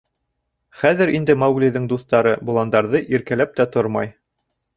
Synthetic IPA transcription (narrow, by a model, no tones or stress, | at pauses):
χæðɘɾind̪ɘmɑwɡlʲiðɘŋd̪uθt̪ɑɾɤbŭlˠɑnd̪ɑɾðɤʔiɾkælæp̚t̪æt̪oɾmɑ̰j